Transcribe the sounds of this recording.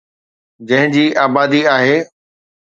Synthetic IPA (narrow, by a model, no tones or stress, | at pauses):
d͡ʑɐ̃ɦɪ̃d͡ʑiːʔaːbaːd̪iaːɦeː